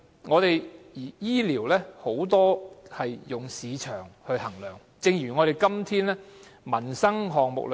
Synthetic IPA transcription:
ŋɔː˨˧t̪e˨jjiː˨˩jiː˥liː˨˩wlɛː˥ho˨˥wt̪ɔː˥hɐ˨jːʊ˨ŋsiː˨˧t͡ʃʰœː˨˩ŋhɵ˧ɥhɐ˨˩ŋlœː˨˩ŋ | t͡sɪ˧ŋjyː˨˩ŋɔː˨˧ɾe˨jkɐ˥mt̪ʰiː˥nlɛː˥mɐ˨˩nsɐ˥ŋɦɔː˨ŋmʊ̰˨k̚l

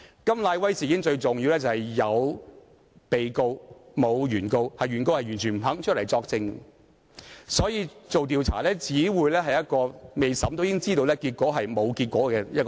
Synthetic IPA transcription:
kɐ˥mlaː˧jwɐ˥jsi˨ji˦˥ɪ˥ŋt͡ʃɵ˧ɥt͡sʊ˨ŋji˧wlɛː˥t͡sɐ˨˩hɐ˨jjɐ˨˧w | pe˨jko˧wmo˨˧wjyː˨˩nko˧whɐ˨jɥyː˨˩nko˧whɐ˨jɥyː˨˩nt͡ʃʰy˨˩m̩˨˩ɦɐ˨˥ŋt͡ʃʰt̚lɐ˨˩jt͡sɔː˧k̚t͡sɪ˧ŋ | sɔː˨˥jiː˧t͡so˨wt̪̬iː˨˧wt͡sʰa̰ː˨˩lɛː˥t͡siː˨˥wuː˨˧jlɛː˥ɦɐ˨jɐ˥t̚kɔː˧me˨jsɐ˨˥mt̪o˥wjiː˥ŋt͡siː˥t̪o˧wlɛː˥kiː˧t̚kʷɔː˨˥ɦɐ˨jmo˨˧wkiː˧t̚kʷɔː˨˥kɛː˧jɐ˥t̚k

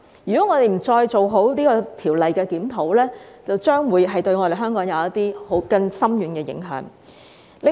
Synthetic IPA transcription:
jyː˨kɔː˨˥ŋɔː˨˧t̪e˨˩jm̩˨˩t͡sɔː˧jt͡so˨wɦo˨˥wniː˥kɔː˧t̪ʰiː˨˩wlɐ˨jkɛː˧kiː˨˥mt̪ʰo˨˧˥wlɛː˥t͡sɐ˨wt͡ʃœː˥ŋwuː˨˧jɦɐ˨jt̪ɵ˧ɥŋɔ˨˧ɾe˨jɦœː˥ŋkɔː˨˥ŋjɐ˨˧wɐ˥t̪̚iː˥ho˨˥wkɐ˧ŋsɐ˥mjyː˨˥nkɛː˧jɪ̰˨˥ŋɦœ̰ː˨˥ŋ | lɪ˨

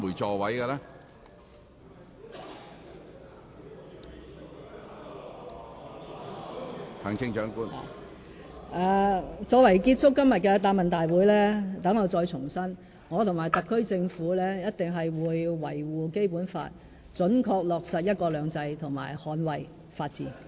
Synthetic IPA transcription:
uː˨˩jt͡ʃɔː˧wɐ˨˥jɡɐ˧lɛː˦˥ | hɐ˨˩ŋt͡ʃʰɪ˥ŋt͡ʃœː˨˥ŋkuː˥n̰ː˨ | ʔɛː˨˧t͡sɔː˨˧wɐ˨˩jkiː˧t̚t͡ʃʰʊ˥kːɐ˥mjɐ˨t̚kɛː˧t̪aː˧p̚mɐ˨nt̪aː˨jwuː˨˥jlɛː˥t̪ɐ˨˥ŋːɔː˨˧t͡sɔː˧jt͡sʰʊ˨˩ŋsɐ˥n | ŋɔː˨˧t̪ʰʊ˨ŋmaː˨˩jt̪ɐ˨kʰːɵ˥ɥt͡sɪ˧ŋfuː˨˥lɛː˥jɐ˥t̚t̪ɪ˨ŋɦɐ˨jwuː˨˧jwɐ˨˩jwuː˨ke˥jpuː˨˥nfa̰ː˧t̚ | t͡ʃɵ˨˥nkʰɔː˧k̚lɔː˨k̚sɐ˨t̚jɐ˥t̚kɔː˧lœː˨˧ŋt͡sɐ˧jt̪ʰʊ˨˩ŋma̰ː˨˩jhɔː˨˥nwɐ˨˩j | faː˧t̚t͡siː˨˧˩

